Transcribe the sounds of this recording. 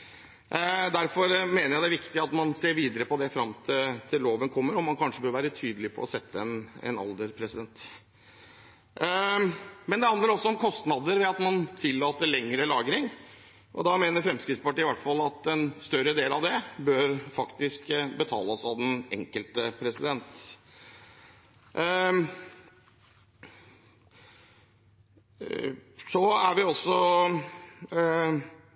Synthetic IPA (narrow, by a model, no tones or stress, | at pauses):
d̪æɾfɔɾmeːnəjæɪd̪æʋɪkt̪ɪɑt̪mɑnseːɾʋiːd̪əɾəpɔd̪ɛfɾɑmt̪ʰɪt̪ʰɪlːoːʋənkʰɔmːəɾɔmːɑnkʰɑnʂəbøːɾʋæːɾət̪ʰyːd̪əlɪpʰɔ̰ɔsɛt̪ːəɛnɛ̰nɑ̰lˠd̪əɾpʰɾɛsɪd̪ɛnt̪ | mɛnd̪ɛhɑnd̪ləɾɔsːɔɔmkʰɔst̪nɑd̪əɾʋɛɑt̪mɑnt̪ʰɪlːɑːt̪əɭɛŋɾəlɑːɡɾɪŋ | ʔɔd̪ɑmeːnəɾfɾɛmskɾɪt̪spɑʈiːɪʋæʈfɑlːɑt̪ɛnst̪œɾəd̪eːlɑʋd̪ɛbøːɾfɑkt̪ɪskbət̪ʰɑ̰ːləɔsɑʋd̪ɛnɛ̰ŋkəlt̪əpʰɾɛsɪd̪ɛnt̪ | sɔæɾʋɪɔsːɔ